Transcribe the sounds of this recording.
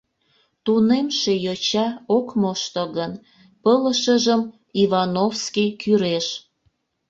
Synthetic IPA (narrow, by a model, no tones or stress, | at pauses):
t̪unemʃejot͡ɕɑokmoʃt̪əɣən | pələʃəʒəm | iβɑnofskijkʰyɾeʃ